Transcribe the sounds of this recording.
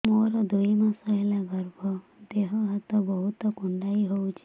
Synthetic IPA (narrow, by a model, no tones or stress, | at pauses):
moɾɔd̪ujmasɔɦelaɡɔɾbʱɔd̪eɦɔɦat̪ɔbɔɦut̪ɔkuɳɖaiɦowt͡ʃʰi̥